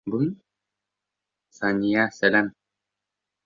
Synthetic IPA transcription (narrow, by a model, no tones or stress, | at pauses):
bun | sɑnʲijasælæm